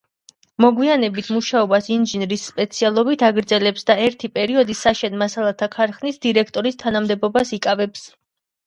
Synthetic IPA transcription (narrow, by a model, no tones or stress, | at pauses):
mɔɡwianɛbit̪ʰmuʃaɔbasinʒinɾisːpʼɛt̪sʰialˠɔbit̪ʰaɡɾd̪zɛlɛpsd̪aɛɾt̪ʰipʼɛɾiɔd̪isaʃɛnmasalˠat̪ʰakʰaɾχnisd̪iɾɛkʰt̪ʼɔɾist̪ʰanamd̪ɛbɔbasikʼavɛps